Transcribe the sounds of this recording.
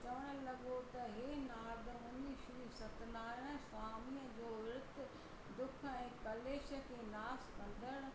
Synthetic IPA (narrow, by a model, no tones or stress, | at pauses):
t͡ʃɐʋəɽ̃̆lɐɡot̪ɐɦeːnaːd̪əmɐniʃɾisɐt̪naːɾñsaːmijə̃d͡ʑoːɪɾɪt̪ | d̪ʊkʰɛ̃ːkɐleːʃəkenaːskɐ̃nd̪əɽ